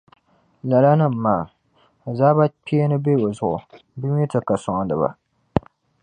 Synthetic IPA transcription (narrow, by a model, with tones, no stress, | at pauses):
la˨la˦nɨ˦˨m̩˨maː˨ | a˨zaː˦ba˦pi˦e˦nɨ˦be˦˨o˨zʊ˦ʔʊ̰˨ | bɨ˦ɲ˦ɛ˦tɨ˨ka˨sʊ˨ŋa˨dɨ˨ba̰˨